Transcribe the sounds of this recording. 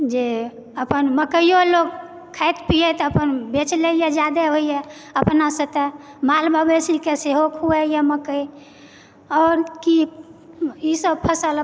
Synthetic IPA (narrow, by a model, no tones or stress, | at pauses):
d͡ʒe | əpənməkəjjolok | kʰːajt̪pijet̪əpənbet͡ʃleijed͡ʒad̪eɦoijeəpnasət̪emalbʱəbesikeseɦokɦuɛjeməkəj | ɔːɾki | isəbpʰəsəl